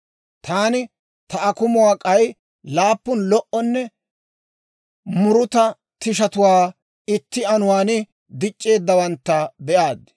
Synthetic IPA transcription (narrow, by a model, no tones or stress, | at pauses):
t̪ʰaːnɪ | t̪ɐʔɐkʊmʊwaːkʼɐj | laːpːʊnlɔʔɔnːɛ | mʊɾʊt̪ɐ | t̪ɪʃɐt̪ʊwaː | ɪt̪ːɪɐnʊwaːnɪ | d̪ɪt͡ʃʼːe̞ːd̪ːɐwɐnt̪ːɐbɛʔaːd̪